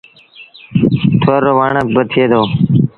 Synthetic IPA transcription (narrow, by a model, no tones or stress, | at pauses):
t̪ʰoːɾoːʋaːɳəbət̪ʰeːd̪oː